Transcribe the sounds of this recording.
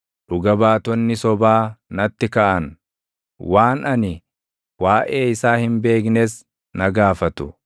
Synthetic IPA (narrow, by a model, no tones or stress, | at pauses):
ᶑʊɡɐbaːt̪ɔnːɪsɔbaːnɐt̪ːɪkɐʔɐn | waːnɐnɪ | waːʔe̞ːɪsaːhɪmbe̞ːk̬neːs | nɐɡaːfɐt̪ʊ̰